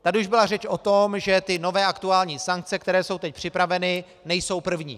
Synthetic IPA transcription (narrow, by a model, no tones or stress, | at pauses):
t̪aduʒbɪlarɛt͡ʃʔot̪omʒɛt̪ɪno̞vɛːʔakt̪uaːlɲiːsaŋk̚t͡sɛkt̪ɛɾɛːso̞wt̪ɛc̚pr̝̥ɪpɾavɛnɪ | nɛjso̞wpr̩vɲḭː